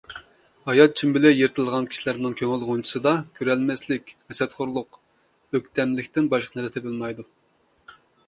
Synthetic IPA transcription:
hɑjɑt̪̚t͡ʃʰymbɪlɪjeɾt̪ʰɨlˠʁɑnkʲʰi̥ʃilæɾnɪŋkʲʰøŋɪlˠʁont͡ʃʰi̥sɨd̪ɑkʲʰøɾɛlmɛslɪkʲɛsɛt̪χʊɾlˠʊq | øk̚ʲt̪ʰɛmlɪkʲt̪ɪnbɑʃqɑnɛɾt̪ɛbɨlˠmɑjd̪u

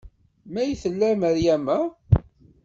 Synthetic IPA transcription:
mæjθəlːæməɾjæmæ

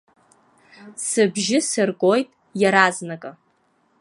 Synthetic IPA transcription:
sɨbʒɪsɨrɡʼo̞jtʼ | jaɾaznakʼa

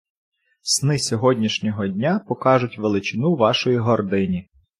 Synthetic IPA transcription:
snɪsʲɔɦɔdʲnʲiʃnʲɔɦɔdʲnʲapɔkɑʒʊtʲʋelˠɪt͡ʃɪnuʋɑʃɔjiɦɔrd̪ɪnʲi

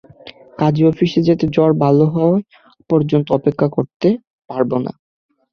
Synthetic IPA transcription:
kad͡ʑiɔfiʃed͡ʑet̪ed͡ʑɔɾbʱaloɦɔe | pɔɾd͡ʑont̪oɔpekʰːakoɾt̪e | paɾbona̰

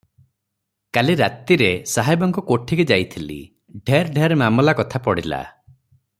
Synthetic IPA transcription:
kaliɾat̪iɾesaɦajbɔŋkɔkoʈʰiɡed͡ʒajt̪ʰilḭ | ɖʱeɾɖʱeɾemamɔlakɔt̪ʰapɔɽila̰

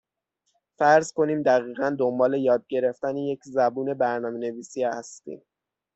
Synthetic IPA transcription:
fæɾzko̞niːmd̪æɣiːɣænd̪ombɒːle̞jɒːd̪̚ɟe̞ɾe̞ft̪æneje̞cʰzæbuːne̞bæɾnɒːme̞ne̞viːsiæst̪ḭːm

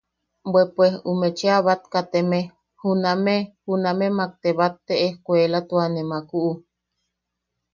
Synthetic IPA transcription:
bwepwehumet͡ʃeaβat̪kat̪eme | hunamehunamemak̚t̪eβat̪ːeʔehkʷelat̪uanemakuʔu

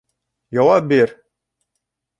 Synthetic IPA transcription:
jɑwap̚biɾ

